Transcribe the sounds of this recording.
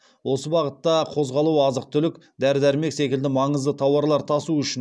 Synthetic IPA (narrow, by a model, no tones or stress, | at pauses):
wo̞səbɑʁət̪ːɑqʰo̞zʁɑlˠuɑzəq̚t̪ʰʏlɪk | d̪æɾɪd̪æɾme̞kse̞kʲɪld̪ɪmɑɴəzd̪ət̪ʰɑwɑɾlˠɑɾt̪ʰɑsuʏʃɪn